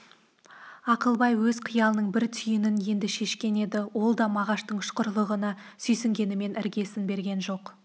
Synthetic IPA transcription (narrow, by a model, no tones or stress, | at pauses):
ɑqəlˠbɑjwɵz̥qʰijɑlˠənəɴbɪɾt̪ʰʏjɪnɪnje̞nd̪ɪʃe̞ʃkʲe̞ne̞d̪ɪwo̞lˠd̪ɑmɑʁɑʃt̪əɴʃqəɾlˠəʁənɑ | sʏjsɪŋɡʲe̞nɪme̞nʔɪɾɡʲe̞sɪnbe̞ɾɡʲe̞nʒo̞q